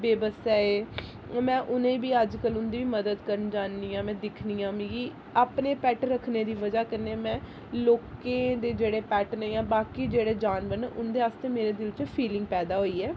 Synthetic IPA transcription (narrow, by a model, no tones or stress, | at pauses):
beːbəsɛeː | mɛ̃ːʔʊnẽːbiːəd͡ʒkəlʊnd̪iːʋiːməd̪əd̪kəɾənd͡ʒaːniːãːmɛ̃ːd̪ɪkʰniːãːmĩːɡiː | aːpneːpɛːʈɾəkʰneːd̪iːʋəd͡ʒaːkənːemɛ̃ː | loːkẽːd̪eːd͡ʒeːɽeːpɛːʈneːjãːbaːkiːd͡ʒeːɽeːd͡ʒaːnbəɾnʔʊnd̪eːaːst̪eːmeːɾeːd̪ɪlt͡ʃpʰiːlɪ̃ŋɡ̚pɛːd̪aːɦoːiːɛː